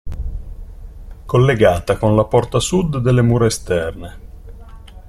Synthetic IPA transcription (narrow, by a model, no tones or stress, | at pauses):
kolːeɡaːt̪akonlapɔrt̪asud̪ːelːemuːɾeest̪ɛrne